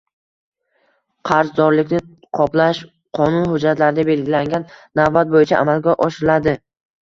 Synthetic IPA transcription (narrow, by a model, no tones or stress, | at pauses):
qʰɑɾzd̪ɒɾlɪkʲnɪ | qʰɒplaʃ | qʰɒnʊnhʊd͡ʒːat̪laɾɪd̪abe̞lɡʲɪlaŋɡʲanːavbat̪̚bojɪt͡ʃʰaʔa̰malɡʲaʔɒʃɪɾɪlad̪ɪ